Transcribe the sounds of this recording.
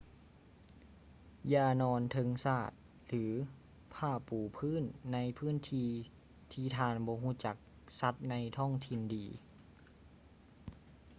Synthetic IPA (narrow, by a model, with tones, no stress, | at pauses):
jaː˧˩nɔː˧nt̪ʰɤ˧ŋsaː˧˩t̪̚ | lɯː˩˦ | pʰaː˧˥˩puː˨˩pʰɯː˧˥˨nːa˧˥jpʰɯː˥˨nt̪ʰiː˧ | t̪ʰiː˧˩t̪ʰaː˧nbɔː˧˦ɦuː˧˥˨t͡ɕa˨˩k̚ | sa˧˥t̪̚na˧˥jt̪ʰɔ˥˩˨ŋt̪ʰi˧ndiː˨˧